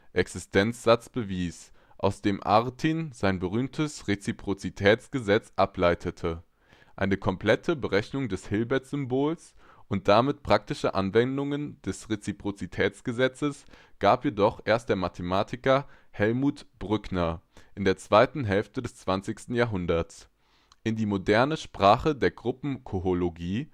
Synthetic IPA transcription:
ʔɛksɪstʰɛnt͡sz̥at͡sb̥əviːs | ʔa̰ʊsd̥eːmʔa̰ʁtʰiːnzaɪnbəʁyːmtʰəsʁet͡sipʁ̥ot͡sitʰɛːt͡sɡ̥əzɛt͡sʔaplaɪtʰətʰə | ʔa̰ɪnəkʰɔmpl̥ɛtʰəbəʁɛçnʊŋdɛshɪlbɛɐtz̥ʏmboːls | ʔʊnt̚d̥amɪtpʁ̥ak̚tɪʃəʔa̰nvɛndʊŋənd̥ɛsʁet͡sipʁ̥ot͡sitʰɛːt͡sɡ̥əzɛt͡səs | ɡ̥aːpjedɔχʔeːɐst̚d̥eːɐmatʰəmaːtʰɪkɐ | hɛlmuːtb̥ʁʏknɐʔɪndeːɐt͡sv̥aɪtn̩ɦɛlftədɛst͡sv̥ant͡sɪçstn̩jaɐɦʊndɐt͡s | ʔɪndiːmodɛɐnəʃpʁ̥aːχədeːɐɡʁʊpm̩kʰoholoɡiː

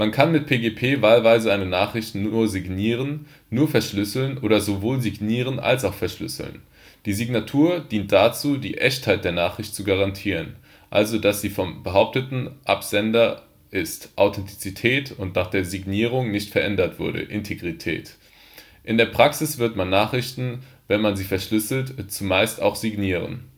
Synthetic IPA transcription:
mankʰanmɪt̚pʰeːɡepʰeːvaːlvaɪzəaɪnənaːχʁ̥ɪçtnuːɐzɪɡniːʁ̞ənː | uːɐfɛɐʃlʏsl̩nʔoːɾɐzovoːlziɡniːʁ̞ənʔa̰lsaʊxfɛɐʃlʏ̰sl̩̰n | d̥iːziɡnatʰuːɐd̥iːnt̚d̥at͡suːdḭːʔɛçthaɪt̚d̥eːɐnaːχʁ̥ɪçtt͡suɡaʁantʰiːʁən | ʔa̰lzodasz̥iːfɔmbəɦaʊp̚tətn̩ʔa̰pz̥ɛndɐ | ʔɪstʔaʊtʰɛntʰi̥t͡sitʰɛːtʊntnaːχd̥eːɐziɡniːʁ̞ʊŋnɪçtfɛɐʔɛndɐtv̥ʊɐɾə̰ʔɪntʰeɡʁitʰɛ̰ːt | ʔɪndeːɐpʁ̥aksɪsv̥ɪɐtmanːaːχʁ̥ɪçtn̩ | vɛnmanziːfɛɐʃlʏsl̩tt͡sumaɪsta̰ʊxz̥iɡniːʁə̰n

